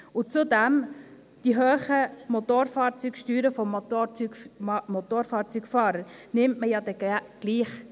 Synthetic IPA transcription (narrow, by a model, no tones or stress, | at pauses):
ʊt͡sudɛm | d̥iɦøːχəmotoːɾfɑːɾt͡sykʃtyːɾəfɔmymot̪oːɾfɑːɾt͡syɡfɑːɾəɾnɪmtməjɑːd̪ɛɡɡ̥liːχ